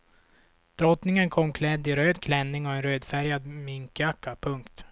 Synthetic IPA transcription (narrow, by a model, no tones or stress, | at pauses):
d̪̥ɾɔt̪nɪŋənkʰɔmːkʰlɛd̪ːɪɾøːd̪kʰlɛnːɪŋɔɛnɾøːd̪fæɾjad̪mɪŋkakːapʰɵŋkt̪